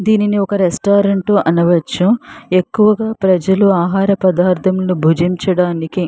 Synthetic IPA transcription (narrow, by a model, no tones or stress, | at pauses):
d̪iːniniɔkɐɾesʈaːɾɐɳʈuʔɐnɐʋɐt͡ʃːue̞kːuʋɐɡaːpɾɐd͡ʒɐluaːɦaːɾɐpɐd̪aːɾt̪ʰɐmlɐubʱud͡ʒiɲt͡ʃɐɽaːniki